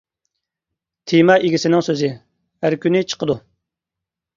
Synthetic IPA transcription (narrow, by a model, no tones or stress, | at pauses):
t̪ʰimɑʔeɡʲisɪnɪŋsøzɪ | æɾkʲynɪt͡ʃʰə̥qəd̪u